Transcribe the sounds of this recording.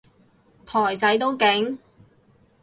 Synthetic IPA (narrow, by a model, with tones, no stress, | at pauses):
t̪ʰɔː˨˩jt͡sɐ˨˥jt̪o˥wkɪ˨˥ŋ